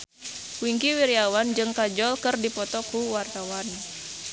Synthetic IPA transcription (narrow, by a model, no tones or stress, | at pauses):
wiŋkiwiɾiawand͡ʒɨŋkad͡ʒɔlkɨrdipɔt̪ɔkuwart̪awan